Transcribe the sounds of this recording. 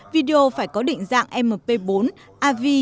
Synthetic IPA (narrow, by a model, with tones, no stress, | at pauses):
vi˧ɗe˧ʔo˧faː˧˩jkɔ˨˦ɗḭ̈˧˨ŋ̟za̰ː˧˨ŋʔɛ˧mːəː˨˩pe˧ɓo˨˦n | ʔaː˧vi˧